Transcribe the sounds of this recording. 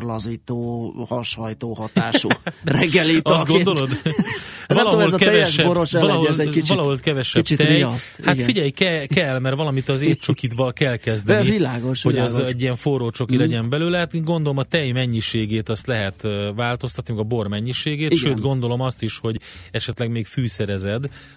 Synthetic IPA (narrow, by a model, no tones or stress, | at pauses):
rlɒziːt̪oːhɒʃhɒjt̪oːhɒt̪aːʃurɛɡːɛleːt̪sɡond̪o̞lo̞d̪ | lɒoɦoɛlzkɛɛvɛɛʃɛboɾoʃɛɒloɛlɛit͡ʃɒlɒɦolkɛvɛʃɛi̥t͡ʃit̪ɛiɒst̪haɡ̪t̪fiɟɛjkɛkɛlːmɛrvɒlɒmit̪ɒzeːt̪̚t͡ʃokit̪bɒkɛlkɛzd̪ɛnivilaːɡoʃho̞ɛzɛɟːijɛɱfoɾoːt͡ʃo̞kilɛɟɛmbɛlyːlɛat̪ːŋɡo̞nd̪olomɒt̪ɛjmɛɲːiʃeːɡeːt̪ɒst̪lɛɦɛt̪ʋaːlt̪o̞st̪ɒt̪nimɛɡɒbo̞rmɛɲːiʃeːɡeːtʃøːt̪ɡo̞nd̪o̞lo̞mɒst̪iʃho̞ɟɛʃɛt̪lɛɡmeːɡfyːsɛɾɛzɛd̪